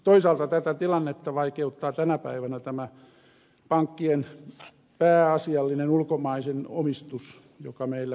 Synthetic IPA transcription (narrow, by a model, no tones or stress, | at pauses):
t̪oisɑːlt̪ɑt̪æt̪æt̪ilɑnːet̪ːɑʋɑikeut̪ːɑːt̪ænæpæ̰iʋænæt̪æmæ | pɑŋkːien | pæːɑsiɑlːinenulkomɑiseno̰mist̪us | jo̰kɑmeilːæ